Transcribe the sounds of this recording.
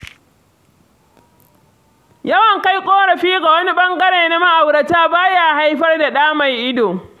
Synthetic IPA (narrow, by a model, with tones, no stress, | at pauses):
jɐ˦wɐ˨ŋka˦jkʷʼoː˦ɽɐ˨ɸiː˦ɡa˨wɐ˦ni˦ɓɐ˦ŋɡɐ˦ɽeː˨na˦ma˦ʔa˨wɽɐ˨taː˦baː˦jaː˨ha˦jɸɐ˦rda˨ɗaː˦ma˨jʔɪ˦doː˨